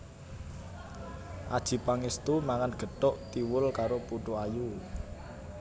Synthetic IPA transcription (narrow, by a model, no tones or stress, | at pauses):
ʔad̥ʒ̥i̤paŋest̪umaŋanɡ̥ə̤t̪ɔʔt̪iwʊlkaɾopuʈuaju